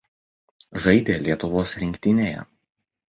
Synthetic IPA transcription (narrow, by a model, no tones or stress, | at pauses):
ʒɐɪd̪ʲeːlʲiɛt̪ʊʋoːsɾʲɪŋʲkʲt̪ʲɪnʲeːjɛ̰